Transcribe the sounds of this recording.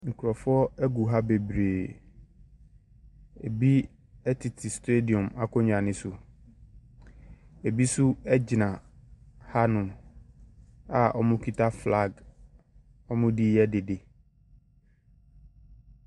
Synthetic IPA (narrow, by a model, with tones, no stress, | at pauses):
ŋ̩˨kʰʊ˨ɾɔ˨fʊ˦ɔ˦ɛ˦ɡu˨ɦa˦be˨bɾeː˨ | ḛ˨bi˦ | ɛ˦tʰɪ˨tʰɪ˨ste˦di˨ɔ̃˨ma˨kʰɔ˦ɲ˨ã˨nɪ̃˨sʊ˨ | e˨bi˦sʊ˦ɛ˦d͡ʑɪ˨nã˨ | ha˦nʊ̃˨m | a˨ʔɔ˦mʊ̃˦kʰi˦tʰa˦fla˦˨ɡ | ɔ˦mʊ̃˦di˦jɛ˦de˨de˨